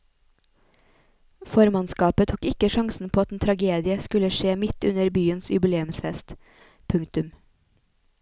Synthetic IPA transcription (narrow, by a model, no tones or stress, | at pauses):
fɔɾmɑnskɑːpət̪ʰukɪkəʃɑŋsn̩pʰoːɑt̪ent̪ʰɾɑɡeːd̪ɪəskʉləʃeːmɪt̪ʉnəɾbyːənsjʉbɪleːʉmsfɛst̪ | pʰʉŋt̪ʉm